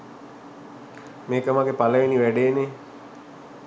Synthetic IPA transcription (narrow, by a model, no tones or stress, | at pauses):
meːkəmaɡepaləʋiniʋæɖeːne